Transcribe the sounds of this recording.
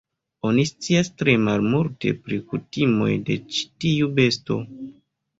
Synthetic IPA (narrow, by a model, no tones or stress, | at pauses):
o̞nist͡siastɾe̞malmulte̞̰pɾikutimo̞̰jde̞̰t͡ʃi̥tiube̞sto̰